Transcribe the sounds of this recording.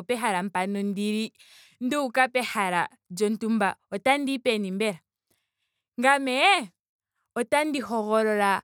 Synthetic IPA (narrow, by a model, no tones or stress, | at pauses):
pɛɦaɾam̩panɔndiɾi | n̩duukapɛhaɾa | d͡ʒɔntumbaɔtandipɛnimbɛɾa | ŋɡamɛɛ | ɔtandiɦɔɣɔɾɔɾa